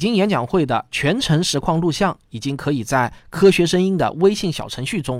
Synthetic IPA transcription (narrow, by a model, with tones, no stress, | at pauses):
t͡ɕi˥ŋjɛ˧˥nt͡ɕjɑ˨˩ŋxwe˥˩ɪd̪ə˩t͡ɕʰɥɛ˧˥nʈ͡ʂʰɤ˧˥ŋʂɻ̩˧˥kʰwɑ˥˧ŋlu˥˧ɕjɑ˥˩ŋi˨˩t͡ɕi˥ŋkʰɤ˧˥i˨˩t͡sa˥˩ɪkʰɤ˥ɕɥɛ˧˥ʂə˥ŋi˥ŋd̪ə̰˨we˥ɪɕi˥˩ŋɕjɑ̰˨˩ʊʈ͡ʂʰɤ˧˥ŋɕy˥˩ʈ͡ʂʊ˥ŋ